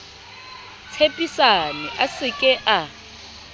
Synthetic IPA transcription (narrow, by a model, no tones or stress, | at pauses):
t͡sʰepʼisanɪʔasɪkʼɛʔa